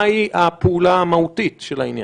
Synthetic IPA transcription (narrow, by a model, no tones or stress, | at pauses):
iʔapeːlamautitʃelainja̰